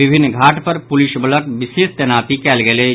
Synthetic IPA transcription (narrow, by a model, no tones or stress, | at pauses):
ɪbʱɪnːɡʱaːʈpəɾpʊlɪʃbələkʋɪseːst̪ɛnaːt̪ikɛːlɡeleː